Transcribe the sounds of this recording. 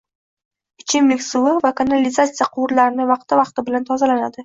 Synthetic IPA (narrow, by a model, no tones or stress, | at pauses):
ɪt͡ʃʰɪmːɪkʲsʊlˠɪvakanalʲɪzat̪sɨjaqʰʊwʊɾlaɾɪnɪvɑq̚t̪ɪvɑq̚t̪ɪbɪlant̪ʰɒzalanad̪ɪ